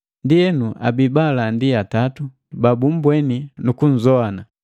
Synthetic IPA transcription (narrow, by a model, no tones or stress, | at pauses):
ndiɛnuʔa̰bibalandiatatu | babum̩bwɛninukun̩zɔana